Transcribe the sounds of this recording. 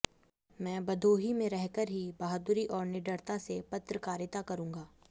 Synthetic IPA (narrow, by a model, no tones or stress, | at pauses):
mɛ̃ːbɐd̪ʱoːɦimẽɾɛɦkəɾɦibaɦd̪ʊɾiʔɔːɾnɪɖəɾt̪asepɐt̪ɾəkaːɾjɪt̪akɐɾũːŋɡaː